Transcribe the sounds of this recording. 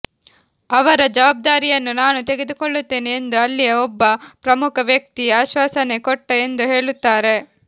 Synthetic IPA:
ɐʋɐɾɐd͡ʒɐʋaːb̚d̪aːɾijɐnːunaːnut̪eɡed̪ukoɭːut̪ːe̞ːneend̪uɐlːijeɔbːɐpɾɐmukʰɐʋjɐk̚t̪iaːʃʋaːsɐne̞koʈːɐend̪uɦe̞ːɭut̪ːaːɾe̞

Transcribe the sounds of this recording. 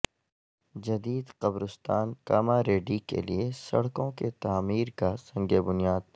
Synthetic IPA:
d͡ʒɐd̪iːd̪qɐbɾʊst̪aːnka̰ːmaɾeːɖikḛliesɐ̰ɽkõket̪aːmiːɾkasɐ̃ŋɡebʊnijaːd̪̚

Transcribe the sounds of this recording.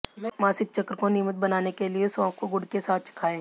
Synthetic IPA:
maːsɪk̚t͡ʃɐkɾəkoniːmət̪̚bɐnaːnekeliesɔ̃ːkkoɡʊɽ̤kesaːt̪̚ʰt͡ʃɪ̥kʰaːẽː

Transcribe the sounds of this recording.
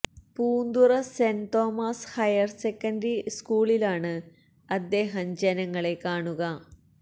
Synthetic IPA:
puːnd̪urɐsent̪o̞ːmaːshɐjɐrsekːɐndriskuːɭilaːɳɨ | ɐd̪ːe̞ːɦɐmd͡ʑɐnɐŋːɐɭe̞kaːɳuɣɐ

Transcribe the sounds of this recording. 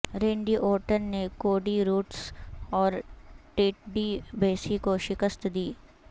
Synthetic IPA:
ɾẽːɳɖiʔoːɾʈənnekoːɖiɾuːʈsɔːɾʈeːʈ̚ɖibeːsikoʃɪkəst̪d̪iː

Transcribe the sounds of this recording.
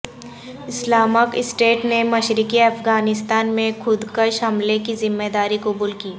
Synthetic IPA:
ɪslaːməkɪsʈeːʈnemɐʃɾɪkiɐfɡaːnɪst̪aːnmẽkʰʊd̪kəʃɦɐmlekizɪmːeːd̪aːɾikʊbuːlkiː

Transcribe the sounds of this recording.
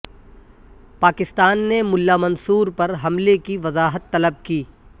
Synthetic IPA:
paːkɪst̪aːnːemʊlːaːmɐnsuːɾpɐɾɦɐmlekiʋɐzaːɦət̪ːɐləb̚kiː

